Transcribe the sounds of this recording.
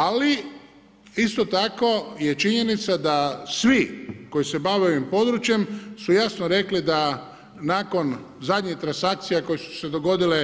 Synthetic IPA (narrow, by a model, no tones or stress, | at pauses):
ali | ist̪o̞t̪ako̞je̞t͡ʃiɲe̞nit̪sad̪asʋiko̞jise̞baʋe̞o̞ʋimpo̞d̪ɾut͡ʃje̞msujasnoɾe̞klid̪a | naːko̞n | zad̪ɲit̪ɾansak̚t̪sijekojesu̥se̞d̪o̞ɡo̞d̪ile